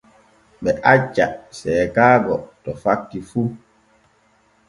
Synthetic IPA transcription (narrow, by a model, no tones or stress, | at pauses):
ɓɛʔat͡ʃːa̰sɛːkaːɡɔtɔfakːifu